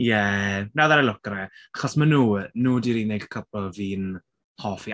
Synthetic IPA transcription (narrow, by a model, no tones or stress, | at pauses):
jɛnawðaɾəlʊkəɾɛaχɔsmənuːnuːdiɾiːnejɡkʰəbɔviːn | hɔːfi